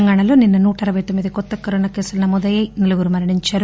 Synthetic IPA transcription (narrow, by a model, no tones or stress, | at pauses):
ɐŋɡaːɳɐlo̞ːninːɐnuːʈɐɐɾɐʋɐjt̪omːid̪ikɔt̪ːɐkɐɾoːnaːke̞ːsulɐnɐmɔːd̪ɐjɐjniluɡuɾumɐɾɐɳiɲt͡ʃaːɾu